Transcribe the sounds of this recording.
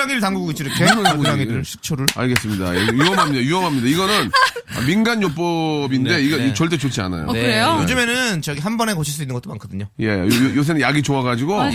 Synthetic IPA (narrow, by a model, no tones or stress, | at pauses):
aŋiɾɯɭtaŋɡuɡɡet͡ɕ͈ʰiɾɯmkenɯoɲaŋiɯɭsʰɯ̥k̚t͡ɕʰoɾɯɭa̰ɭɡes͈ɯmɲida̰jejuʌmɦamɲidajuʌmɦamɲidaiɡʌnɯn | ʌ̰minɡanjok̚p͈ʌbinde̞iɡeit͡ɕʌɭt̬͈e̞t͡ɕot͡ɕʰia̰na̰jo̰kɾejojod͡ʑɯme̞nɯnt͡ɕʌɡiɦanbʌne̞kʌt͡ɕʰiɭs͈uinːɯnɡʌt͈omankʰʌdɯɲoje̞jojojos̬ʰenɯjaɡit͡ɕoaɡad͡ʑiɡo